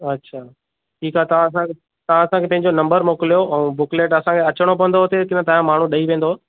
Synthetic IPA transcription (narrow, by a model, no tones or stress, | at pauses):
ɐtːɕʰaː | ʈʰiːkaɦɛt̪ɐʋãɐsãke | t̪ɐʋãɐsãŋkʰepɐ̃ɦɪ̃ɲd͡ʑonɐ̃mbəɾmoːkɪlijoʔɛ̃bʊkleːʈɐsãkʰeɐt͡ɕəɽ̃op̬ɐʋə̃nd̪oɦot̪ekɪnət̪ɐɦãmaːɳ̤ũɗɐiʋẽːn̆d̪o